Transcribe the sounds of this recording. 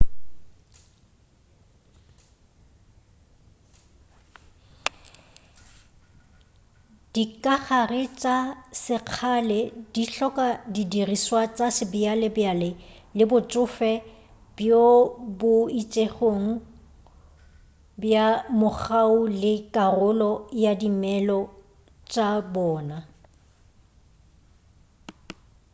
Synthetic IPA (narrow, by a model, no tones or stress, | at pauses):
d̥ikʼaχarɪt͡ʃʼasɪq͡χʰalɛdiɬɔkʼadidiriswat͡sʼasɪbɪalɛbjalɪ | lɪbʊt͡ʃʼʊfɛ | b̥jobʊit͡ʃʼeχoŋ̩ | bjamʊk͡xaulɪkʼarʊlɔjadimɛlɔ | t͡ʃʼabɔːna